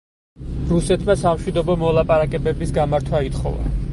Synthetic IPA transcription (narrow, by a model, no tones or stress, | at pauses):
ɾusɛt̪ʰmasamʃwid̪ɔbɔmɔlˠapʼaɾakʼɛbɛbisɡamaɾt̪ʰwait̪χɔ̰va̰